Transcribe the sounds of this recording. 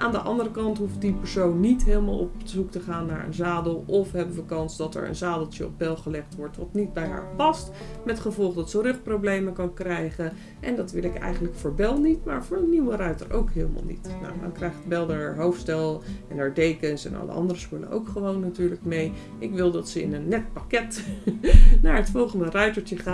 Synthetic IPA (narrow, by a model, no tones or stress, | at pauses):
ʔaːndəʔɑndərəkɑntɦufdipəɹsownːitɦeːlˠma̰lˠɔpzuktəχaːnːaːɹə̰nzaːdəlˠɔfɦɛbənʋəkɑnzdɑtɛ̰ɹə̰nzaːdəlˠtjəɔ̰b̚bɛlˠχəlɛχtʋɔɹtʋɑ̰tnid̚bɛjɦa̰ːɹpɑst | mɛtχəvɔlˠχdɑtsərɵχtprowblejməkɑnkrɛjχə | ʔɛndɑtʋɪlɪkɛ̰jχənləkfʊːɹbɛlˠnitma̰ːɹvʊːɹənːiwərœɥtə̰ɹʔo̰wkɦeːlˠəma̰lˠnḭtna̰wdɑ̰ŋkrɛjχtbɛlˠdəɦowftstɛlˠɛnaːɹdejkənsɛ̰nɑ̰lə̰ʔɑ̰ndərəspølə̰nʔo̰wkχəʋownːatyːɹləkmej | ʔɪkʋɪlˠdɑtsəɪ̰nənːɛt̚pakɛt | naːɹətfɔlˠχəndərœɥtəɹtəχa